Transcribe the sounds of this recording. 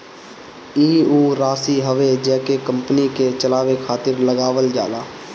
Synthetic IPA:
iːuːɾaːsiɦəʋed͡ʒɛːkekə̃mpniket͡ʃəlaːʋekʰaːt̪ɪɾləɡaːʋəld͡ʒa̰ːlaː

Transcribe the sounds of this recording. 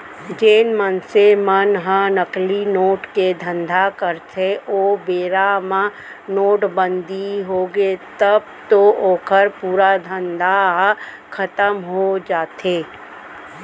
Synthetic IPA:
d͡ʒeːnmənsemənɦənəklinoːʈked̪ʱə̃nd̪ʱakəɾt̪ʰeʔoːbeːɾamã | noːʈbə̃nd̪ʱiɦoːɡet̪əb̚ | t̪ooːkʰəɾpuːɾad̪ʱə̃nd̪ʱaɦ | kʰət̪əmɦod͡ʒaːt̪eː

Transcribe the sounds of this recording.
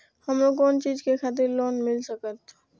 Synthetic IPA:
həmɾokɔːnt͡ʃiːd͡ʒkexʰaːt̪̬ɪɾloːnmɪlsəkət̪

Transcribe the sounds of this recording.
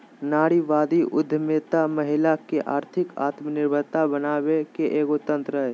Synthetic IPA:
naːɽiʋaːd̪iʔʊ̰d̪ʱːəmeːt̪aməɦɪlakeʔa̰ːɾt̪ʰɪka̰ːt̪mənɪɾbʱəɾt̪abənaːwekeʔeːɡot̪ə̃nt̪ɾəɦɛ

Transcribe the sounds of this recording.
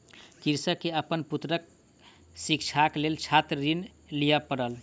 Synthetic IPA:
kiɾsəkːeəpənput̪ɾək̚ | sikt͡ʃʰaklelt͡ʃʰat̪ɾəɾin | lijəpəɾəl

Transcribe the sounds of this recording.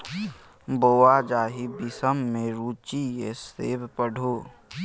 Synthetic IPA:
boːwad͡ʒaːɦibɪsəmːẽɾuːt͡ʃijeseːbpəɽʱoː

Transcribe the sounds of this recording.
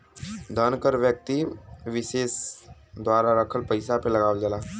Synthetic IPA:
d̪ʱənkəɾʋjək̚t̪iʋɪʃeːs | d̪waːɾaɾəkʰəlpəɪsapelɐɡaːʋəld͡ʒalaː

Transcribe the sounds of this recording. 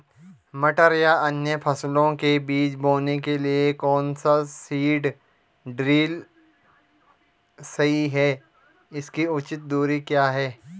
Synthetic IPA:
mɐʈəɾijaʔɐnjəpʰɐslõkebiːt͡ʃboːnekeliekɔːnsasiːɖ | ɖɾiːl | sɐɦiɦɛː | ɪskiʊt͡ʃɪt̪̚d̪uːɾikjaːɦɛː

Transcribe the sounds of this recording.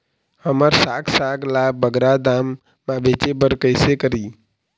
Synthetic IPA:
həməɾsaːksaɡlabəɡɾad̪aːmː | ãbeːt͡ʃebəɾkəɪsekəɾiː

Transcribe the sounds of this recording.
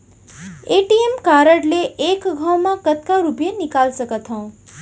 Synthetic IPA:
eʈiemkaɾəɽleʔːkɡʱaw̃makət̪̚kaɾupjenikalsəkət̪ʰɦʌ̃w̃

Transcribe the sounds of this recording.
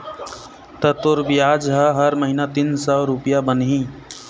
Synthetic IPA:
t̪ət̪oɾbijad͡ʒɦəɦəɾməɦinat̪insəɾupjabənɦĩ

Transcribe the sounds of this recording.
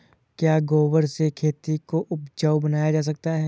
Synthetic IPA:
kjaːɡoːwəɾsekʰeːt̪ikoʔʊpd͡ʒəwbənaːjad͡ʒaːs̬ɐk̚t̪aɦɛː

